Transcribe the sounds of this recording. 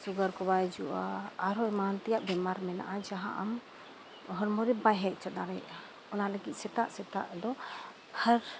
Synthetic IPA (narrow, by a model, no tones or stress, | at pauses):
suɡəɾkɔbajd͡ʒuʔa̰ːɾɔɛmant̪ɛjaʔbɛmaɾmɛna̰ʔad͡ʒaɦa̰ʔam | ɦɔɾmɔɾɛbajɦɛʔ̚ˀt͡ʃɔd̪aɾɛja | ɔnaləɡit̪̚ˀsɛt̪aʔsɛt̪a̰ʔd̪ɔ | həɾ